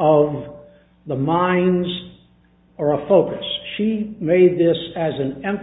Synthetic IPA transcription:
ʌv | ðəmãɪ̃nz | ə˞əfoʊkɨsʃimeɪd̪̚ðɪsɨzɨ̃nɛ̃mf

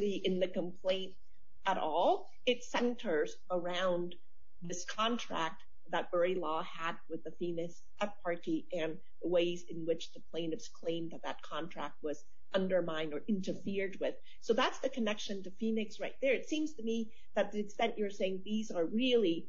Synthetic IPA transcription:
ɾiʔɨ̃nðɨkə̃mpʰl̥ẽɪ̃nt̚ | əɾɔlˠ | ɨtsɛ̃ntʰə˞z | ə˞ãʊ̃n | ðɪskʰɑ̃ntʰɹ̥æ̰k̚t̪̚ | ðət̚b̥ɜ˞ilɔ | əd̚wɨðɨfinɪks | ɛp̚pʰɑɹɾiʔɨ̃n | ðəweɪzɨ̃nwɪt͡ʃðɨpʰl̥ẽɪ̃nɨvz̥kʰl̥ẽɪ̃mðɨt̪̚ðɨt̚kʰɑ̃ntʰɹ̥æk̚t̚wʌz | ʔʌ̃ndə˞mãɪ̃ndə˞ʔɪ̃ntə˞fɪɹd̚wɪð̥ | soʊðætsðɨkʰɨnɛkʃɨ̃ntɨfinɨksɹaɪt̪̚ðə˞ɨtsĩmz̥tɨmi | ðɨt̪̚ðiɨstɛ̃nʔə˞seɪɪ̃ŋðizə˞ɹɪlˠi

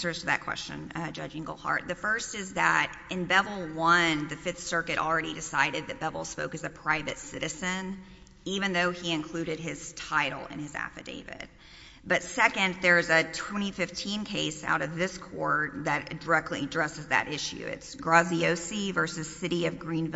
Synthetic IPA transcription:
sə˞z̥tʰɨðɨ̰t̚kʰw̥ɛ̰st͡ʃɨ̰̃nd͡ʒʌ̰d͡ʒɪ̃ŋɡol̩ˠhɑ̰ɹt̪̚ðɨfɜ˞stɨzðɨ̰ɾ | ɨ̃nbɛvl̩ˠwʌ̃nðɨfɪθsɜ˞kɨɾl̩ˠɹɛɾidɨsaɪɾɨd̪̚ðɨt̚b̥ɛvl̩ˠspoʊkɨzɨpʰɹ̥aɪvɨtsɪɾɨzɨ̃n | ivɨ̃nðoʊiɨ̃nkʰl̥ʉɾɨd̚ɪz̥tʰaɪɾl̩ˠɪ̰̃nɨzæ̰fɨ̰dḛɪvɪ̰d̥̚ | b̥ʌtsɛkɨ̃nðə˞zɨtʰw̥ɛ̃ɾ̃ifɪftʰĩnkʰeɪsa̰ʊɾʌvðɪskʰɔɹðɨt̚d̥ə˞ɛk̚tˡlḭdɹɛsɨzðɨ̰ɾʔɪʃʉ̰ɪ̰tsɡ̥ɹɑzioʊsivɜ˞sɨz̥sɪɾiʌvɡɹĩnv

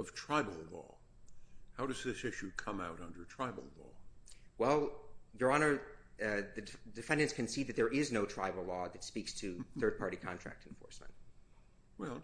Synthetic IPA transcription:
ʌv̥tʰɹ̥aɪbl̩ˠlɔ̰ | haʊɾʌzðɪsɪʃʉkʰʌ̃maʊɾʌ̃ndə˞tʰɹ̥aɪbl̩ˠlɔ̰wɛlˠjə˞ɑnə˞ | ðɨdɨfɛ̃ndɨ̃nskʰɨ̃nsiðɨt̪̚ðə˞ʔɪznoʊtʰɹ̥aɪbl̩ˠlɔðɨtspikstʰɨθɜ˞d̚pʰɑɹɾikʰɑ̰̃ntɹ̥æ̰k̚tʰnfɔ̰ɹsmə̰̃nt̚ | wɛlˠ

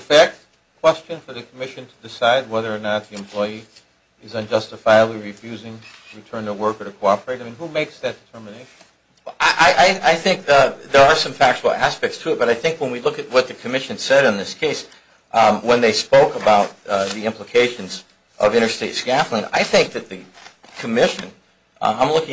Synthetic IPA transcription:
fæk̚t̚ | kʰw̥ɛst͡ʃɨ̃nfə˞ðɨkʰəmɪʃɨ̃ntʰɨdɨsaɪd̚wɛðə˞ːnət̪̚ðiɨ̃mpʰl̥ɔɪi | ɪzʌ̃nd͡ʒʌstɨfaɪɨbliɹifjʉzɪ̃ŋtʰəɹɨtʰɜ̃˞ntəwɜ˞kə˞ɾɨkʰoʊɑpə˞eɪɾaɪmĩnhumeɪksðɨt̚d̥ɨtʰɜ˞mɨneɪʃn | wɛʔaɪʔaɪʔaɪaɪθɪ̃ŋk̚ðə˞ːsʌ̃ɱfæk̚t͡ʃəl̩ˠæ̰spɛk̚tstʰʉɨt̚b̥ʌɾaɪθɪ̃ŋkwə̃nwilʊkɨt̚wʌt̪̚ðɨkʰɨmɪʃɨ̃nsɛɾə̃nðɪskʰeɪs | wə̃nðeɪspoʊkəbaʊt̪̚ðiɪ̃mpləkʰeɪʃɨ̃nz | ʔʌvɪ̃ɾ̃ə˞steɪtskæflə̃na̰ɪθɪ̃ŋk̚ðɨt̪̚ðɨ | kʰɨmɪʃɨ̰̃n | ãɪ̃mlʊkɪ̃

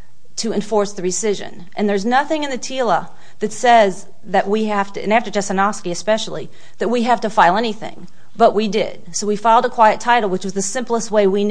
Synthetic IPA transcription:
tʰɨɨ̃ɱfɔɹsðɨɹɨsɪʒɨ̰̃n | ʔɨ̃nðə˞znʌθɪ̃ŋɨ̃nðɨtʰilˠə | ðɨtsɛz | ðɨʔ̚wihæftɨɨ̃næftə˞d͡ʒɛsɨnɑskiɨspɛʃl̩ˠḭ | ðɨt̚wiɦæftɨfaɪlˠɛniθɪ̰̃ŋ | b̥ʌʔwidɪ̰d̥̚soʊwifaɪlˠdəkʰw̥aɪɨtʰaɪɾl̩ˠwət͡ʃwʌzðɨsɪ̃mplˠəst̚weɪwin

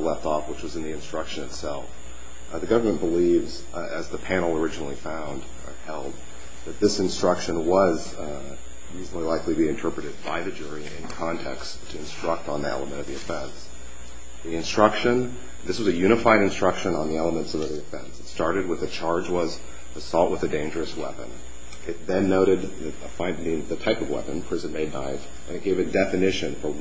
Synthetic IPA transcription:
lɛftɔfwət͡ʃwʌzɨ̃nðiɨ̃nstɹ̥ʌkʃɨ̃nɨtsɛlˠf | ðɨɡʌvə˞mɨ̃nb̥əlivz | ɨzðɨpʰænl̩ˠə˞ɪd͡ʒɨnl̩ˠifãʊ̃nd | hɛlˠd̪̚ | ðɨt̪̚ðɪsɨ̃nstɹ̥ʌkʃɨ̃nwʌz | ɹizn̩l̩ˠilaɪkliɨbiɨ̃ntʰɜ˞pɹɨɾɨd̚ba̰ɪðɨd͡ʒʊɹiɪ̰̃nkʰɑ̃ntʰɛ̰kstʰɨɨ̃nstɹ̥ʌk̚tn̩ðiɛ̰lˠəmɨ̃ɾ̃ʌvðiɨfɛ̃ns | ðiɨ̃nstɹ̥ʌkʃɨ̃n | ðɪswʌzɨjʉɾ̃ɨfaɪɾɨ̃nstɹ̥ʌkʃɨ̃nə̃nðiɛlˠəmə̃ntsʌvðiɨfɛ̰̃nsɨtstɑɹɾɨd̚wəðɨt͡ʃʰɑɹd͡ʒwʌz | ɨsɔlˠʔwʔəðɨdẽɪ̃nd͡ʒə˞ɨswɛ̰pɨ̰̃n | ɨt̪̚ðɨ̃nːoʊɾɨd̪̚ðɨ | fãɪ̃nĩnðɨtʰaɪpʌvwɛ̰pɨ̃npʰɹ̥ɪzɨ̃nmeɪdⁿna̰ɪf | ʔɨ̃nɨt̚ɡ̥eɪvɨdɛfɨnɪʃɨ̃nfə˞

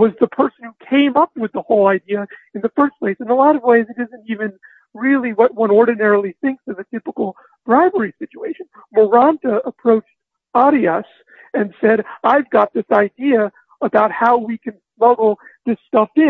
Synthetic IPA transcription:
wʌzðəpʰɜ˞sn̩hukʰẽɪ̃mʌp̚wɨðəhoʊlˠaɪdiɨɨ̃nðɨfɜ˞spʰl̥eɪsɨ̃nəlɑɾʌvweɪzɨɾɪzɨ̃ntivɨ̃n | ɹɪlˠiwʌt̚wʌ̃nɔɹdⁿn̩ɛɹl̩ˠiθɪ̃ŋksʌvɨtʰɪpəkl̩ˠ | b̥ɹaɪbə˞isɪt͡ʃueɪʃɨ̃nmə˞ɑ̃ntəəpʰɹ̥oʊt͡ʃt̚ | ɑɾiəs | ɨ̃nsɛɾaɪvɡɑt̪̚ðɪsaɪdiɨ | əbaʊt̚haʊwikʰɨ̃nsmʌɡl̩ˠðɪstʌfɪ̃

